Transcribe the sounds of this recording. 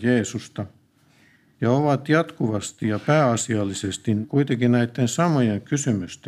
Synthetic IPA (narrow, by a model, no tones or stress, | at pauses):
jeːsust̪ɑ | jɑoʋɑt̪jɑt̪kuʋɑst̪ijɑpæːɑsiɑlːisest̪inkuit̪eŋkinnæit̪ːensɑmojeŋkysymyst̪